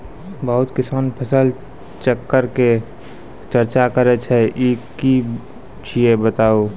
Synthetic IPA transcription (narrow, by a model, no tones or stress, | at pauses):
bəɦʊt̪kɪsaːnpʰəsəl | t͡ʃəkːəɾke | t͡ʃəɾt͡ʃakəɾet͡ʃʰɛʔiki | t͡ʃʰiebət̪aːo